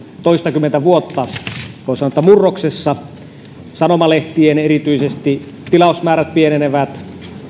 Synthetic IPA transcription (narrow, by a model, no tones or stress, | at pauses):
t̪oist̪ɑkymːent̪æʋuot̪ːɑkosɑnoˑet̪ːɑmurːoksesːɑ | sɑnomɑleht̪ienerit̪yisest̪i | t̪ilɑˑusmæːɾæt̪̚pieneneʋæt̪